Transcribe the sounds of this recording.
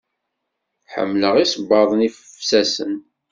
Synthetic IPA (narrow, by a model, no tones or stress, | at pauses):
ħə̰mːləʁisbːɑðˤnifəfsæsə̰n